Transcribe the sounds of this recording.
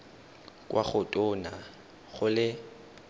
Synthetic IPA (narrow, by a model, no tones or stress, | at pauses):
kʼwaχʊtʼʊːna | ɣʊlɪ